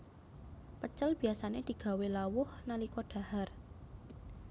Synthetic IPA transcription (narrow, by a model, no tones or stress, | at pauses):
pət͡ʃəlb̥i̤asaned̪̥i̤ɡ̥a̤welawʊhnalikɔɖ̥a̤har